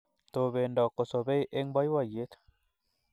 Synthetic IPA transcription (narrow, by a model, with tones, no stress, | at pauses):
t̪o˨βe˨ndɔ˨ko˨so˨βe˦i˦ʔe˦ŋba˦i˦wa˨je˦t̪